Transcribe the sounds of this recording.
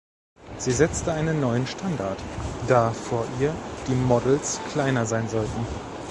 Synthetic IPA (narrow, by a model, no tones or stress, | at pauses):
z̥iːzɛt͡stəaɪnənːɔʏənʃtʰandaɐtd̥aːfoːɐʔiːɐd̥iːmɔdl̩skl̥aɪnɐzaɪnzɔltn̩